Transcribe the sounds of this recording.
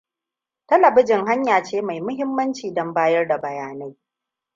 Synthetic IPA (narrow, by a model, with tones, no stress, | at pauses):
tɐ˦lɐ˨bʊ˦d͡ʒɪ˨ŋha˦ɲjaː˨t͡ʃeː˦ma˨jmʊ˦hɪ˦mːɐ˦nt͡ʃiː˨dɔ˦mbaː˦jɐ˦rda˨bɐ˨jaː˦na˦j